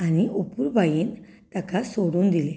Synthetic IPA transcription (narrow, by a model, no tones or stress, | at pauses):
aniopuɾbajin | t̪akasoɽund̪ile